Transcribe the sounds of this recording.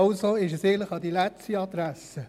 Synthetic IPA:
ʊsoɪʃɛsɪɡəntləχɑd̪ilɛt͡stiɑd̪ɾæsə

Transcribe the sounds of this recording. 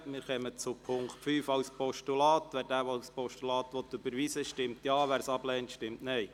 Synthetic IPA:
mɪɾχɛmət͡sʊpʰʊŋkχtfyːfɑwspɔʃtulɑːtʋæːɾdæːʋospɔʃtulɑːt̪ʋɔt̪ːybəɾʋiːsəʃtɪmtjɑːʋæːɾsɑblɛːntʃtɪmtnɛɪ

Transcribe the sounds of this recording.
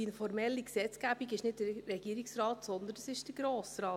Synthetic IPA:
ɪnfɔɾmɛlːiksɛt͡sɡ̥æb̥iɡɪʃnɪd̚dəɾɛɡiːɾiksɾɑːtsɔnd̪ənəsɪʃd̥əɾɡ̥ɾoːsɾɑː

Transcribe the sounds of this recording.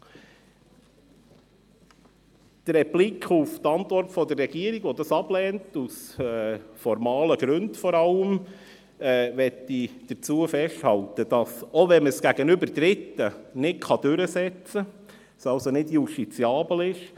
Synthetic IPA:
d̪̥ɾɛblikχuft̪ɑnt̪ʋɔrtfɔd̪ərrɛɡiəɾiɡʋɔd̪ɑsɑb̥lɛːntusɛfɔɾmɑːləɡɾʉndfɔɾɑləm | ɛːʋɛtːid̥ət͡suːəfɛʃthɑltəd̥ɑsɔʋɛnməsɡ̥æɡənʏbəɾd̥ɾɪt̪ːənɪkʰɑd̥ʏɾəsɛt͡sə | sɑlsonɪdjuʃtit͡siɑːbl̩ɪʃ

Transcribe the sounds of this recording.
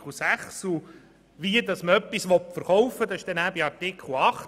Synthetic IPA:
lsæχsu | ʋiədɑsməœpːisʋɔtfəɾχɔwfːədɑsɪʃd̥ɛnæːbiɑrtɪkʰl̩ɑχ

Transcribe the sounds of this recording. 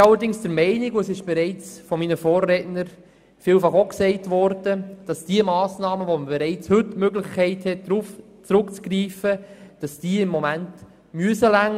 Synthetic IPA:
ɑlːəɾdɪŋsd̥əɾmɛɪnɪɡuəsɪʃb̥ɛɾɛɪt͡sfɔminəfɔːrːɛtnəɾ | fiːlfɑχoksɛɪtʋɔɾd̥əd̥ɑsd̥iəmɑːsnɑːməʋɔməbɛɾɛɪt͡shɵtmøɡlɪχkʰɛɪthɛt̚dɾuf | t͡sɾʊkt͡skriːfəd̥ɑsd̥iːɪmːɔmænt | myəsəlæŋ

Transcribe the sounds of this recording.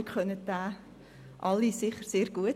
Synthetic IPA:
kχœnətdaː | ʔɑlːisɪχəɾseːɾɡ̥uət

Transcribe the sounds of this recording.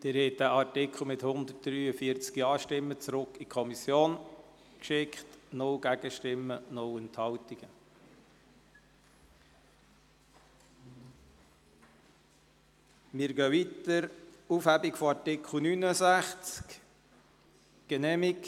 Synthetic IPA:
d̥ɪɾhɛt̚dæʔɑɾtɪkʰl̩ˠmɪt̪hʊnd̪ət̚d̥ɾyːəfiɾt͡skiɑːʃtɪmːət͡sɾʊkːikʰɔmisjoːn | kʃɪkχtnʊwɡ̥æɡ̥əʃtɪmːənʊwɛnthɑlt̪iɡ̥ə | mɪɾɡœʋit̪əɾufhæbikfoɑɹtɪkʰl̩nynəsæχt͡sk | ɡ̥ɛnɛːmik

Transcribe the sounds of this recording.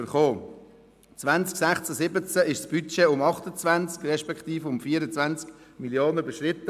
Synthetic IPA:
əɾχoː | t͡sʋant͡sksɛχt͡səsɪbət͡səɪʃsb̥yt͡ʃeʊmɑχtət͡svant͡skrɛʃpɛkχt̪iːfəʊmfiːəɾət͡svant͡sk | miljoːnəybəʃrɪtːə

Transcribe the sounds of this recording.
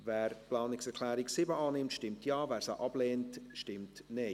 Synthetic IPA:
vɛːɾplɑːnɪksɛɾkʰlɛːɾɪksɪbəɑːnɪmtʃtɪmtjɑːvɛːɾsa̰ʔɑb̥leːntʃtɪmtne

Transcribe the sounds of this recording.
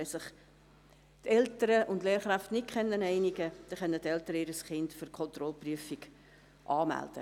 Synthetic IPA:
ɛsɪχ | t̪ɛltəɾəʔʊndleːɾχɾæftnɪt̚kʰχɛnːənɛɪniɡəd̥iχœnːətɛltəɾəiːɾəsχɪndfyɾkʰɔnt̪ɾɔlpryəfiɡ | ʔɑːmæ̰ld̥ə̰

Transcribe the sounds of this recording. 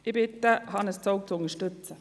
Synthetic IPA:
ɪbɪt̪əhɑnəst͡soʊk̚t͡sʊnəʃtʏt͡sə

